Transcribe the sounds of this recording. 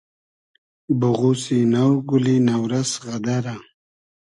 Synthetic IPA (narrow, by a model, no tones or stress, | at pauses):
bʊɣusinawɡulinawɾasɣad̪aɾa